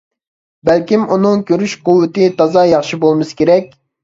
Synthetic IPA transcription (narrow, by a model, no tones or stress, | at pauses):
bælkʲimunɨŋkʲʰøɾyʃqʊwːɨt̪ɨt̪ɑzɑjɑχʃibolˠmɨskʲeɾɛk̚ʲ